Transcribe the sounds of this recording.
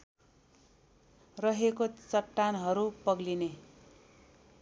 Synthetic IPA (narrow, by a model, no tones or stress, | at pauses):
rʌɦekot͡sʌʈːanɦʌɾupʌɡline